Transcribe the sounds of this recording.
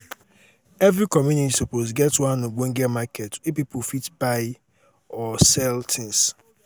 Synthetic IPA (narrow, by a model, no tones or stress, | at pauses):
ɛvɾikɔmjunitisupozɡɛtwãnoɡ͡boŋ̩ɡɛmakʰɛtifpipofitbaɪ | ɔsɛltʰɪ̃ŋs